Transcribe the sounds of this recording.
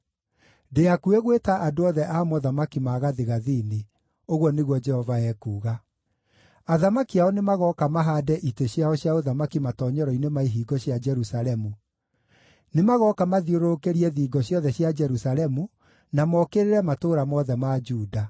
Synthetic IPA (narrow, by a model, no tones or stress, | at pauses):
deakueɣwetaʔadoɔðɛʔamɔðamakimaɣaðeɣaðiːne | oɣwɔneɣwɔd͡ʒɛhɔvaɛkuːɣa | aðamakiaɔnemaɣɔkamaɦaːdɛʔiteɕjaɔɕjaoðamakimatɔːɲɔɾɔinemaiɦiːɡɔɕjad͡ʒɛɾusaɾɛmu | nemaɣɔkamaðioɾokeɾiɛðiːɡɔɕjɔðɛɕjad͡ʒɛɾusaɾɛmu | namɔkeɾeɾɛmatoːɾamɔðɛmad͡ʒuːda